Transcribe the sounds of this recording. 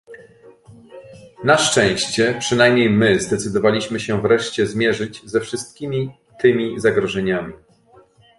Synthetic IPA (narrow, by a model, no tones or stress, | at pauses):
naʂt͡ʂɛ̃w̃ɕt͡ɕɛpʂɘnajmʲɲejmɘzd̪ɛt̪sɘd̪ɔvalʲiɕmɘɕɛvɾɛʂt͡ɕɛzmʲjɛʐɘd͡ʑzɛfʂɘst̪̚kʲimʲi | t̪ɘmʲizaɡɾɔʐɛɲamʲi